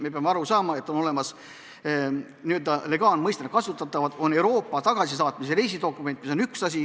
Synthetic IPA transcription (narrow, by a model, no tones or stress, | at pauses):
me̞peɑmeɑɾusɑːmɑe̞t̪ːˑo̞no̞le̞mɑs | niøld̪ɑle̞ɡ̥ɑːnmɤjst̪enut̪̚kɑsut̪ːˑɑt̪ːˑɑvɑd̪̥o̞ne̞wɾo̞ːpːˑɑt̪ɑɡ̥ɑsis̬ɑːt̪mis̬eɾe̞js̬id̪o̞kːˑume̞nt̪ːˑmiso̞nyksɑs̬ʲi